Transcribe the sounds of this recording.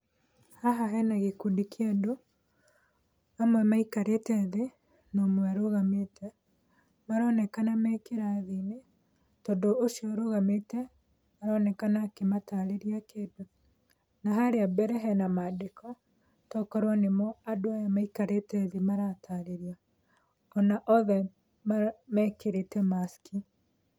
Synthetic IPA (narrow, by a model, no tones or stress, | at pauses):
haɦaɦɛnaɣekudikiado | amwɛmaikaɾetɛðe | noːmwɛaɾoɣametʰɛ | maɾɔːnɛkanamɛkeɾaðine | tɔːndoʔːʃiɔɾoɣametɛ | maɾɔnɛkanakemataɾeɾiakeːdo | naɦaɾeabɛɾɛɦɛnamadekɔ | tɔkɔɾwanemɔadoajamaikaɾetɛðemaɾatʰaɾeɾia | ɔnaʔɔðɛ | mamɛːkeɾetɛmaski